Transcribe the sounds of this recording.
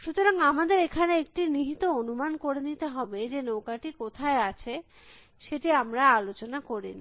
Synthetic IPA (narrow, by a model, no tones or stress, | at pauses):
ʃut̪oɾaŋamad̪eɾekʰaneek̚ʈiniɦit̪oonumankoɾenit̪eɦɔbed͡ʑenowkaʈikot̪ʰaeat͡ɕʰe | ʃeʈiamɾaalot͡ɕonakoɾḭni